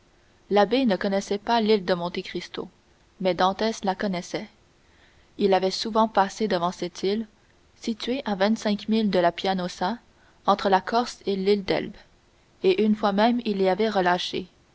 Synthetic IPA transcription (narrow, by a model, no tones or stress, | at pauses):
labenəkɔnɛsɛpalild̪əmɔ̃t̪ekχist̪o̰ | mɛd̪ɑ̃t̪ɛslakɔnɛsɛ | ilavɛsuvɑ̃pased̪əvɑ̃sɛt̪ʰil | sit̪ɥeʔavɛ̃t̪sɛ̃kmild̪əlapjanɔza | ɑ̃t̪χəlakʰɔʁselild̪ɛ̰lb | eʔynfwamɛmilːeavɛʁəlaʃḛ